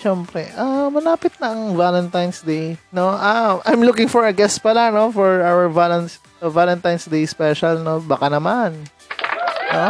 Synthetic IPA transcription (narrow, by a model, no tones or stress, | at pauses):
ʃɛmpɾɛʔamɐlaːpɪt̪̚nɐʔɐŋvalɛnt̪ajnsd̪ejnoʔamʔɐjmlukɪŋfɔɹɐɡɛspɐlano̞fɔɹawɛɹvalɛns | valɛnt̪ajnsd̪ejspɛʃɐlnobɐkanɐman | o